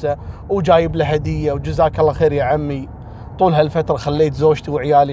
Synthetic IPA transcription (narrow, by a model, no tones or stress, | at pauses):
awd͡ʒaːjɪblaɦad̪ɪjːawd͡ʒʊzaːkalːaxeːɾjaʕamːi | t̪ˤuːlɦalfat̪ɾˤɑxalːeːt̪zoːd͡ʒt̪iwʕjaːli